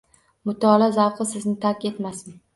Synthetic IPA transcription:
mʊt̪ʰɒlˠazawqɨsɪznɪt̪ʰakʲe̞t̪masɪ

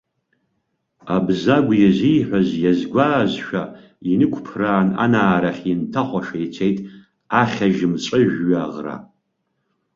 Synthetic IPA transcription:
abzaɡʷjɛzijħʷazjazɡʷaːzʃᶣa | inɨkʷʰʼpʰraːna̰naːɾaχʲɪntʰaχʷaʂajt͡sʷʰejtʼ | aχʲaʒɪmt͡ɕʼɨʒᶣɥaʁra̰

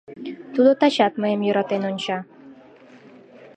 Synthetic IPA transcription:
t̪ud̪ot̪ɑt͡ɕɑt̪məjemjøɾɑt̪enonʲt͡ɕɑ

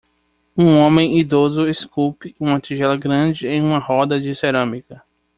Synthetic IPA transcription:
ũõmẽj̃id̪ozʊeskupɪũmɐt̪iʒɛlɐɡɾɐ̃d͡ʒɪẽj̃ũmɐhɔd̪ɐd͡ʒɪseɾɐ̃mikɐ

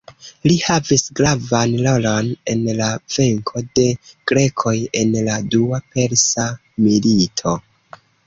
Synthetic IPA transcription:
lihavisɡɾavanlolone̞nlave̞ŋkʰo̞de̞ɡ̥ɾe̞kʰo̞je̞nladuape̞ɾsa | militʰo̞

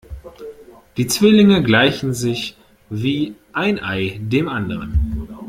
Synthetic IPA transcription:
d̥iːt͡sv̥ɪlɪŋəɡlaɪçn̩zɪç | viːʔaɪnʔaɪdeːmʔandəʁ̞ən

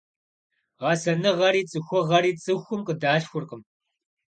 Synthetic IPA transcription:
ʁɑsɐnɨʁɐɾiːt͡sʼɨxʷɔʁɐɾiːt͡sʼɨxʷʊmqədaːɬxʷʊrqəm

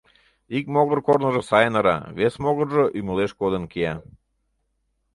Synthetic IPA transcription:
ik̚moɣərkornə̆ʒəsɑjənəɾɑ̰βesmoɣərʒəʔyməleʃkod̪ənkeɑ

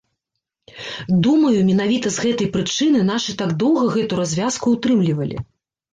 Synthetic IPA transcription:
d̪umɐjumʲɛnavʲit̪ɐzɣɛt̪ɐjpɾɨt͡ʂɨnɨn̪aʂɨt̪aɡd̪ɔwɣɐɣɛt̪uɾazʲvʲaskuːt̪ɾɨmlʲivɐlʲḭ

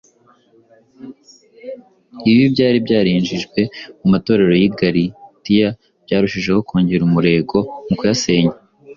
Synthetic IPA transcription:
iβibɟaːɾibɟaːɾiːɲd͡ʒiʒɡwe̞mumato̞ːɾe̞ɾo̞jiɡaɾitija | b̥ɟaːɾuʃiʒe̞ho̞kʰoːɲɟeɾumuɾe̞ːɡo̞mukujase̞ːɲa

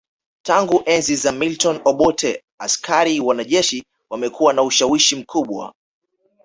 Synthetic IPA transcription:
taŋɡuʔɛnzizamiltɔnɔɓɔtʰɛ | askʰaɾiwanaʄɛʃi | wamɛkuwanauʃawiʃim̩kʰuɓwa̰

